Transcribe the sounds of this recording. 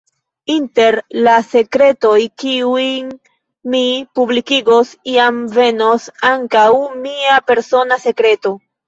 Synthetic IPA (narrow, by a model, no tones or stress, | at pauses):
inte̞ɾlase̞kɾe̞to̞jkiujn | mipublikiɡo̞siamve̞no̞saŋkawmiape̞ɾso̞nase̞kɾe̞to̞